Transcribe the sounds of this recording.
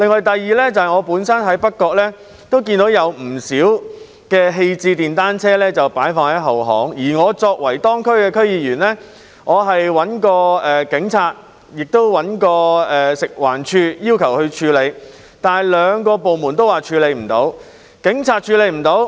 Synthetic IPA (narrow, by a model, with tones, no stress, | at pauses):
lɪ˨ŋːɔː˨˧jt̪ɐ˨jːiː˨lɛː˥t͡sɐ˨hɐ˨jŋɔː˨˧puː˨˥nsɐ˥nɦɐ˨˥jpɐ˥t̚kːɔː˧k̚lɛː˥ | t̪o˥wk̬iː˧nt̪o˨˥wjɐ˨˧wm̩˨˩siː˨˥w | kɛː˧ɦe˧jt͡siː˧t̪iː˨nt̪aː˥nt͡sʰɛː˥lɛː˥t͡sɐ˨wpaː˨˥jfɔː˧ŋhɐ˨˥ɦɐ˨˩wɦɔ̰ː˨˥ŋjiː˨˩ŋɔː˨˧t͡sɔː˧k̚wɐ˨˩jt̪ɔː˥ŋkʰɵ˥ɥkɛː˧kʰɵ˥ɥjiː˨˧jyː˨˩nlɛː˥ | ŋɔː˨˧ɦɐ˨jwɐ˨˥nkɔː˧ɛː˨kɪ˨˥ŋt͡sʰaː˧t̚ | jɪ˨k̚t̪o˥wwɐ˨˥nkɔː˧ɛː˨sɪ˨k̚waː˨˩nt͡ʃʰyː˧jiː˥wkʰɐ˨˩whɵ˧ɥt͡ʃʰyː˧le˨˧j | t̪aː˨nhɐ˨˩jlœː˨˧ŋkɔː˧po˨wmu˨˩nt̪o˥waː˨t͡ʃʰyː˧le˨˧jm̩˨˩t̪o̰˨˥w | kɪ˨˥ŋt͡sʰaː˧t̚t͡ʃʰyː˨˧le˨˧jm̩˨˩t̪o˨˥w